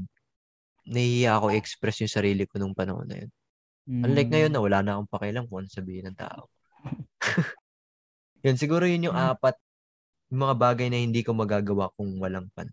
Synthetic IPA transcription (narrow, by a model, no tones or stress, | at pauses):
nɐhɪjaʔɐko̞ʔɪʔɛkspɾɛsjʊŋsɐɾiːlɪkonʊŋpɐnɐ̰ho̰nːɐ̰jo̰n | ɐŋlɐjk̚ŋɐjo̞nːɐwɐlaːnɐʔko̞ŋpɐkɛjlɐŋkʊŋʔɐnoŋsɐbiːhɪnɐŋt̪a̰ːʔo̰ | jonsɪɡuːɾojʊnjʊŋʔaːpɐt̪̚ | jʊŋmɐŋabaːɡɐjnɐhɪnd̪iːko̞mɐɡaːɡɐwakʊŋwɐlaŋpɐ̰nɐ